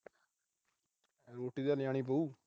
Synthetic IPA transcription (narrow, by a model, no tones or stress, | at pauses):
ɾoːʈiːd̪aːlɪjãːɳ̃iːpəuː